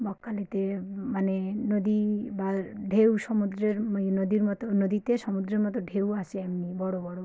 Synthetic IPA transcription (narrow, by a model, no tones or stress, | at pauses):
bɔkːalit̪emanenɔd̪ibaɖʱewsɔmud̪ɾeɾmnɔd̪iɾmɔt̪ɔnɔd̪it̪esɔmud̪ɾeɾmɔt̪ɔɖʱewaseamnibɔɽobɔɽo